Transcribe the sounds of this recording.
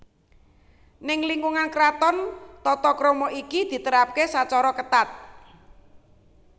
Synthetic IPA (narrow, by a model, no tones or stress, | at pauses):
nɪŋliŋkuŋankɾat̪ɔnt̪ɔt̪ɔkɾomɔʔikid̪̥i̤t̪əɾap̚kesat͡ʃɔɾɔkət̪at̪̚